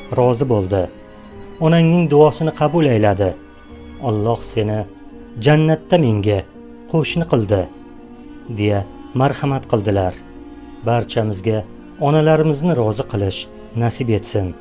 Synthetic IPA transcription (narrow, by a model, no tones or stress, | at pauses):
ɾɒzɪbolˠd̪ɪ | ɒnaŋnɪŋd̪ʊɒsɪnɪqʰɑbʊlajlad̪ɪ | ɒlˠːɒhse̞nɪ | d͡ʒanːat̪ʰːame̞ŋɡʲa | qʰoʃnɪqʰɨlˠd̪ɪ | d̪e̞ja | maɾhamat̪qʰɨlˠd̪ɪlaɾ | baɾt͡ʃʰamɪzɡʲa | ɒnalaɾɪmɪznɪɾɒzɨqʰɨlˠɪʃ | nasɪbe̞t̪sɪn